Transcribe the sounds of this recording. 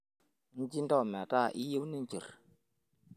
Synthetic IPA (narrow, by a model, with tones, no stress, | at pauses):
n̩˦d͡ʒi˦n̩˦dɔ˦˨m˨a˨ta˦˨ʔi˦je˦wni˦n˨t͡ʃḭ˨ɾ